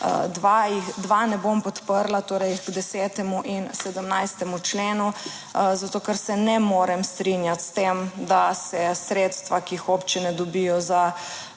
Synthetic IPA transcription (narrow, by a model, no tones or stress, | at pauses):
d̪ʋaixd̪ʋanɛbompɔt̪pəɾlat̪oːɾɛjɡd̪ɛsɛːt̪ɛmuʔinsɛd̪əmnajst̪ɛmut͡ʃleːnu | zat̪oːkɛɾsɛnɛmoːɾɛmst̪ɾinjat̪st̪emd̪asɛsɾeːt̪st̪ʋakixopt͡ʃinɛd̪ɔbijɔza